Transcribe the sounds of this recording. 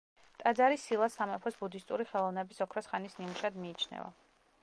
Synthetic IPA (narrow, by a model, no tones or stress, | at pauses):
t̪ʼad̪zaɾisilˠasamɛpʰɔsbud̪ist̪ʼuɾiχɛlˠɔvnɛbisɔkʰɾɔsχanisnimuʃad̪miːt͡ʃʰnɛ̰va̰